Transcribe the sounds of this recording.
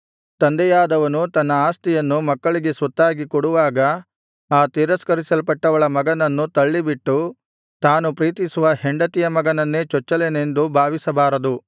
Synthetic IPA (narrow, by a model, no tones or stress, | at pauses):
t̪ɐnd̪ɛjaːd̪ɐʋɐnut̪ɐnːɐaːst̪ijɐnːumɐkːɐɭiɡe̞sʋɐt̪ːaːɡikɔɽuʋaːɡɐ | aːt̪iːɾɐskɐɾisɐlpɐʈːɐʋɐɭɐmɐɡɐnɐnːut̪ɐɭːibiʈːu | t̪aːnupɾiːt̪isuʋɐɦeɳɖɐt̪ijɐmɐɡɐnɐnːe̞ːt͡ʃɔt͡ʃːɐlene̞nd̪ubʱaːʋisɐbaːɾɐd̪u